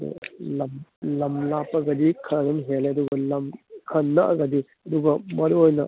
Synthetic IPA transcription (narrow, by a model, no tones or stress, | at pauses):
nḛlɐmlɐmlapɐɡɐdikʰɐnɐnɦelɐduɡɐlɐmkʰɐnːɐʔɐ̰ɡɐdi | ɐduɡɐmɐɾuojnɐ